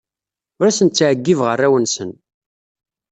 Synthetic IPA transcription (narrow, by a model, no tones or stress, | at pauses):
ʊɾæsənt͡sːʕəɡːivʁərːæwənsən